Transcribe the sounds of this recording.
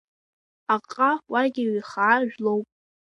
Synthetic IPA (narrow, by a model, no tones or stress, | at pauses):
aqʼawaɡʲɪwiχaʕaʒᶣlowpʼ